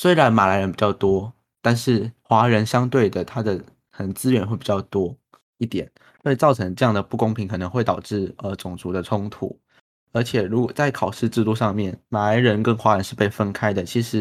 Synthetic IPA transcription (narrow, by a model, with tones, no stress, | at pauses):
swe˥ɪɻa˧˦˥nma˨˩la˧ɪɻə˧˦npi˨˩t͡ɕjɑ˥˩ʊt̪wɔ˥ | t̪a˥˧nʂɻ̩˥˩xwa˧˥ɻə˧˦˥nɕjɑ˥ŋt̪we˥˩ɪd̪ə˩t̪ʰa˥d̪ə˨ | k̪ʰə˧˩˦nt͡sɹ̩˥ɥɛ˧˥nxwe˥˩pi˨˩t͡ɕɑ˥˩ʊt̪wɔ˥ | i˥˩t̪jɛ˨˩˦n | swe˥˩ɪt͡sɑ˥˩ʊʈ͡ʂʰɤ˧˥ŋʈ͡ʂɤ˧jɑ˥˩ŋd̪ə˩pu˥˩kʊ˥ŋpʰi˧˥ŋkʰɤ˨˩nə˧˦ŋxwe˥˩ɪt̪ɑ˨˩ʊʈ͡ʂɻ̩˥˩ə˧˩t͡sʊ˨˩ŋt͡su˧˥d̪ə˨˧ʈ͡ʂʰʊ˥ŋt̪ʰṵ˨˩˦ | ə˞˧˥t͡ɕʰjɛ˨˩ɻu˧˥kwɔ˨˩t͡sa˥˩ɪkʰɑ˨˩ʊʂɻ̩˥˧ʈ͡ʂɻ̩˥˧lu˥˧ʂɑ˥˧ŋmjɛ˥˩nma˨˩la˧˥ɪɻə˧˥nkə˦˥nxwa˧˥ɻə˧˦nʂɻ̩˥˧pe˥˩ɪfə˦˥nkʰa˥ɪd̪ə˨t͡ɕʰi˧˥ʂɻ̩˧˦